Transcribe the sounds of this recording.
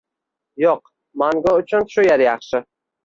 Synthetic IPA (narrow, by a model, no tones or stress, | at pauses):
joq | maŋɡɑʊt͡ʃʰʊnʃʊjaɾjɑχʃɪ